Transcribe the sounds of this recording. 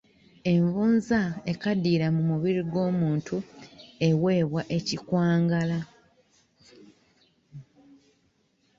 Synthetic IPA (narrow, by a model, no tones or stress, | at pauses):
e̞ɱvuːnzae̞kadːiːɾamumuβiɾiɡo̞ːmuːntʰue̞we̞ːβwaʔe̞cikwaːŋɡala